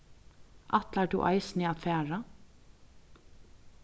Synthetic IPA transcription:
ʔat̪lɛt̪ṵːʔa̰ɪsnɪaðfæːɹa

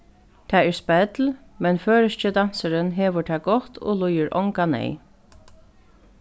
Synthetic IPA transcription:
t̪ʰɛːɛɹspɛt̪lmɛnføːɾəʃcəd̪an̥səɾənɦɛːʋəɹt̪ʰɛːɡɔht̪ɔ̰lʊjəɾʔɔ̰ŋkanɛ̰j

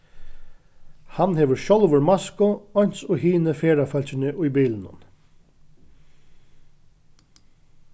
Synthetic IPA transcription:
hanheːʋəɹʃɔlʋʊɹmaskʊɔjn̥t̪sʊɦiːnəfeːɹafœlt͡ɕɪnɪʔʊjbiːlɪnʊ̰n

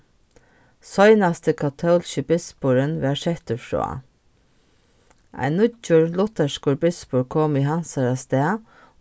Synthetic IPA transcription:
sɔʏnɑst̪ʰəkʰɑt̪ʰɑʊlʃəbɪsbuːɹənʋæʃɛt̪əfɹo̰ːɑ̰ | ʔæ̰ɪnʊd͡ʒuɹlʊt̪əʃkuːɹbɪspuːɹkʰɔmiːhɑnsɑɹɑst̪eːɑ

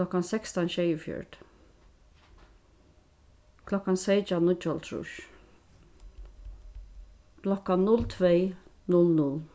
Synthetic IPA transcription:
lɔkːansɛkst̪anʃɛjəfjɔ̰ɹd̪ | kʰlɔkːansejt͡ʃanʊt͡ʃɔlt̪ʰɾʊ̰ʃ | kʰlɔkːannʊlt̪ʰveː | nʊlnʊl

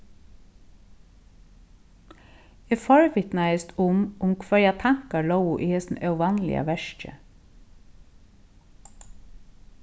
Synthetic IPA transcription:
efɔɹʋɪt̪næɪəst̪ʰʊmʔʊmkʰʋœɹjæt̪ʰæŋkɑlowʊʔeːɛsn̩œʋɑnlɪ̰ə̰ʋæʃt͡ʃə̰

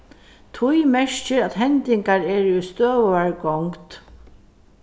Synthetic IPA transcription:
t̪ʰʊjmɛʂt͡ʃɪɾaðɦɛnt̪ɪŋkaɹɛːɹʊst̪øːʋaɹɡɔŋkt̪

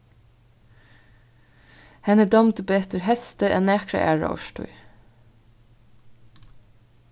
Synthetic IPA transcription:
hɛnəd̪ɔmd̪əbeːt̪əɹhɛst̪əʔḛːnæːkɹɑ̰ʔæ̰ːɹɑ̰ɔ̰ʃʈʊ̰ʏ

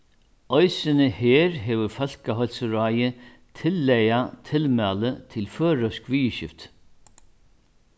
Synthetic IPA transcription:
ɔjsɪnəhɛːɾɦɛːʋʏɾfœl̥kaɦɔlsɾaːjə | t̪ʰɪlːɛjat̪ʰɪlmæːlət̪ʰɪlfœːɾœskʋiːəɕɪ̰ft̪

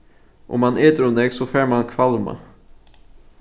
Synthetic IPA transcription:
ʔɔ̰mːanʔeːt̪əɾɵnd̪ɛɡsɔfæːɾmankʰvalma̰

